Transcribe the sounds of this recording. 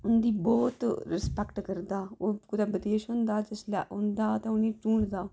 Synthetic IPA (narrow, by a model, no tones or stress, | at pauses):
ʊnd̪iːbɔːt̪ɾɪspɛkʈkəɾd̪aːoːkʊd̪aːbəd̪eːʃɦʊ̃ːnd̪aːd͡ʒəsla̰ːʊnd̪aːt̪eʊnĩːʈũːɳd̪aː